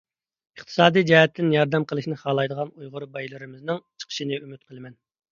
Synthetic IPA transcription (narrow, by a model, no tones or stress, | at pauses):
əχt̪ʰɨ̥sɑːd̪ijd͡ʒɛhɛt̪ʰːɪnjɑɾd̪ɛmqʰəlˠɨʃnɪχɑːlˠɑjd̪əʁɑnujʁʊɾbɑjlˠɨɾɪmɪznɪŋt͡ʃʰə̥qʰə̥ʃinɪymyt̪̚qʰəlˠɨmɛn